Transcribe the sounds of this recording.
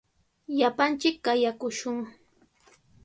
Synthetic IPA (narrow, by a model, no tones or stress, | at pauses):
ʎapant͡ʃɪkːajakʊʃʊŋ